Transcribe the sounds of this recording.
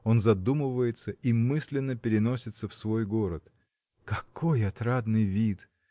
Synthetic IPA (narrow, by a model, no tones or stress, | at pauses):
o̞nzɐd̪umɨvəjɪt̪səimɨsʲlʲɪnːəpʲɪɾʲɪno̞sʲɪt̪səfsvo̞jɡo̞ɾət̪ | kɐko̞jɐt̪ɾad̪nɨjvʲit̪